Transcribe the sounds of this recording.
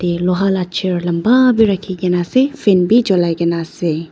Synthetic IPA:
t̪eloɦalat͡ʃʰeɾlɐmbabʱiɾɐkʰiɡenasefʰenbʱid͡ʒɔlajɡenase

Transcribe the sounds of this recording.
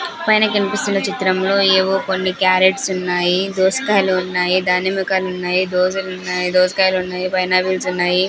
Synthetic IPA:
pɐjnɐkɐnipist̪unːɐt͡ʃit̪ɾɐmlo̞ːeːʋoːkonːikjaːɾeʈsunːaːjid̪oːskaːjɐluːnːaːjid̪aːnimukaːlunːaːjid̪oːd͡ʒɐlunːaːjid̪oːskaːjɐluunːaːjipɐjnaːbilsunːaːji

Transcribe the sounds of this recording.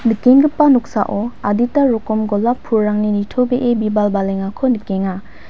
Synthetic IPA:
nikeŋɡɯpːanuk̚sa̰ʔɔaditaɾɔkɔmɡɔlapʰːuɾːaŋninitʰɔbeʔebibalbaleŋakʰːɔnikeŋa

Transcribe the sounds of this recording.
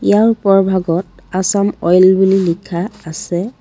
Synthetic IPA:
ijaɹpɔɹbʱaɡɔt̚asamɔjlbulilikʰaːsɛ

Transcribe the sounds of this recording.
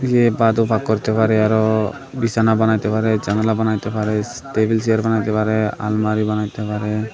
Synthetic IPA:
jebad̪ubʱakːɔɾt̪epaɾɛaɾɔ | bisanabanajt̪epaɾɛd͡ʒaŋlabanajt̪epaɾɛ | ʈebils̬ijəɾbanajt̪epaɾɛa̰lmaɾibanajt̪epaɾɛ

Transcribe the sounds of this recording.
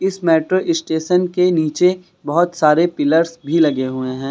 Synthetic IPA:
ɪsmɛːʈɾoʔɪsʈeːʃənkeniːt͡ʃe | bɐɦʊt̪saːɾepɪləɾsbʱilɐɡeɦʊeɦɛ̃ː

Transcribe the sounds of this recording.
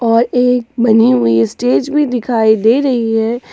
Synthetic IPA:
ɔːɾeːkbɐniɦʊiɪsʈeːd͡ʒbʱid̪ɪkʰaːid̪eːɾɐɦiɦɛː

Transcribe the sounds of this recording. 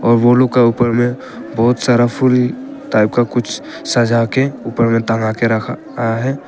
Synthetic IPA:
ɔːɾʋoloɡkeuːpəɾmẽ | bɔːʊt̪saːɾapʰʊl | ʈaːɪp̚kakʊt͡ʃʰ | sɐd͡ʒʱakeuːpəɾmẽt̪ə̃ɦakeɾəkʰa | aɦɛː

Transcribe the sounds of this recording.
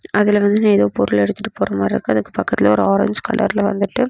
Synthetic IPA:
ɐðɪlʋɐnd̪ɯnaːɛðoːpɔɾʊɭɛɽɯt̪ːɯʈːɯ̥poːɾɐmaːɾɪɾɯ̰kːɯɐðɯkːɯ̥pɐkːɐt̪ːɪlɐɔɾɯaːɾɐ̰ɲd͡ʒkɐ̰ɭːɐ̰ɾɪlɐʋɐ̰nd̪ɯʈːɯ

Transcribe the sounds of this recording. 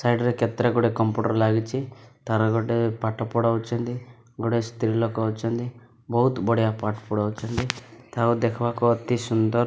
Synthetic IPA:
sɐjɖɾeket̪ɾeɡuɽekɐmpuːʈɐɾlaːɡit͡ʃit̪ɐɾɐɡɔɖepaʈːɐpɔɽawt͡ʃɐnd̪i | ɡɔɽest̪ɾilɔkuɐwut͡ʃɐnd̪i | bɔɦut̪bɔɽijapaʈpuɽɐwut͡ʃɐnd̪it̪ʰaːud̪ekʰʋaːkuɐt̪isund̪ɔɾ

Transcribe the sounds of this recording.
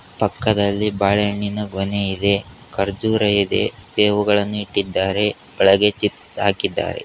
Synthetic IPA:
pɐkːɐd̪ɐlːibaːɭeɳːinɐɡoneid̪e̞ | kɐɾd͡ʒuːɾɐjid̪e̞̰seːʋuɡɐɭɐnːuiʈːid̪ːaːɾe̞ | ɐɭɐɡet͡ʃipsa̰ːkid̪ːa̰ːɾe̞̰

